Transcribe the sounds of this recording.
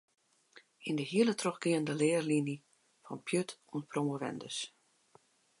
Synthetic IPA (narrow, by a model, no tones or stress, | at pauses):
indəhiəlˠətroxɡiəndəlɪːərlini | fɔnpʰjøtʰunpʰromoʋɛ̰ndə̰s